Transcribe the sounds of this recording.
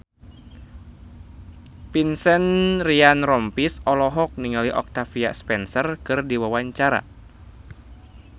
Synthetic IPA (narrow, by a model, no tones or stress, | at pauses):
pinsɛnrianrɔmpisɔlɔɦɔk̚niŋaliʔɔ̰k̚t̪afia̰spɛnsərkɨrdiwawaɲt͡ʃaɾa̰